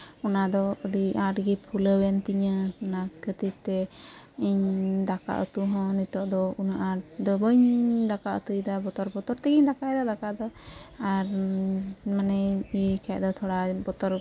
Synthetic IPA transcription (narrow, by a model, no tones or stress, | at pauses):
ɔnad̪ɔəɖiaʈɡipʰuləwɛnt̪iɲənakʰət̪it̪ɛiɲd̪aka̰ʔt̪uɦɔ̃nit̪ɔʔd̪ɔunaʔad̪ɔbəɲd̪akaʔət̪ujd̪abɔt̪ɔɾbɔt̪ɔɾt̪ɛɡiɲd̪akaʔɛd̪ad̪akaʔd̪ɔaɾ | manɛikʰɛʔd̪ɔt̪ʰɔɽabɔt̪ɔɾ